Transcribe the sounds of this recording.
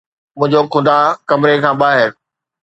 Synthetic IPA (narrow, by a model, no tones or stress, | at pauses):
mʊ̃ɦɪ̃ɲd͡ʑokʰʊ̃d̪aːkɐmɾekʰãːɓaːɦɪɾ